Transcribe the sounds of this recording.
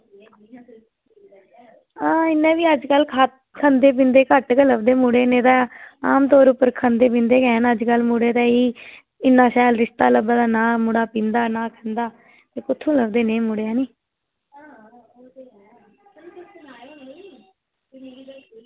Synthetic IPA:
aːɪnːẽːʋiːəd͡ʒkəlkʰat̪ | kʰənd̪eːp̬ĩːnd̪eːkəʈkələbd̪eːmuːɽeːnẽːt̪aːaːmt̪oːɾʊpːəɾkʰənd̪eːp̬ĩːnd̪eːkɛ̃ːnəd͡ʒkəlmuːɽeːt̪ɛːiː | ɪnːãːʃaːjlɾɪʃt̪aːləbaːd̪aːnãːmʊɽaːpĩːnd̪aːnãːkʰənd̪aː | t̪eːkʊt̪ʰːũːləbd̪eːnẽːmuːɽeːaːniː

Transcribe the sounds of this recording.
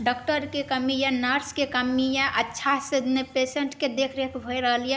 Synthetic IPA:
ɖɔːkʈəɾkekəmijãnəɾskekəmijãʔətːʃʰasɪd̪nepeːseɳʈked̪ekʰɾekʰbʱoiɾəɦəlijẽ

